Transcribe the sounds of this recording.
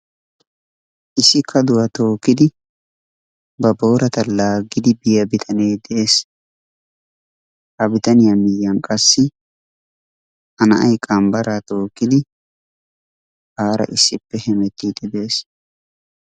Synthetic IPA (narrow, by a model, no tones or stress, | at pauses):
ʔɪsːɪkʰːɐd̪ʊwɐt̪o̞ːkːɪd̪ɪ | bɐbo̞ːɾɐt̪ɐlaːɡːɪd̪ɪbɪjɐbɪt̪ʰɐneːd̪ɛeːs | hɐbɪt̪ɐnɪjamɪjːɐŋkʼɐsːɪ | ɐnɐʔɐjkʼɐmbɐɾaːt̪o̞ːkːɪd̪ɪ | haːɾɐ̰ʔɪsːɪpːɛhɛmɛt̪ːiːd̪ɪb̪e̞ːs